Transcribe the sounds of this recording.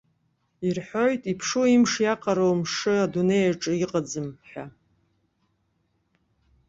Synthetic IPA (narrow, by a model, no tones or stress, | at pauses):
irħojtʼipʰʂuimʂjaqʼaɾowmʂɨadune̞jaʈ͡ʂʼɨiqʼad͡zɨmħᶣa